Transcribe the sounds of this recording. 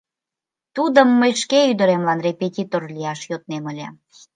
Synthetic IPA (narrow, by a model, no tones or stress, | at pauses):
t̪ud̪əmːəjʃkeyd̪əɾemlɑnrepetʲit̪orliɑʃjot̪̚neməlʲæ̰m